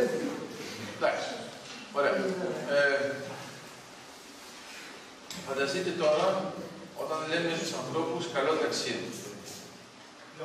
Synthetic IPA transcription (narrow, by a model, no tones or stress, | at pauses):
d̪ɐks | oɾeɐ | fɐnd̪ɐst̪it̪e̞t̪o̞ɾɐo̞̰t̪ɐnlemest̪usɐ̃nθɾo̞puskɐlot̪ɐksiði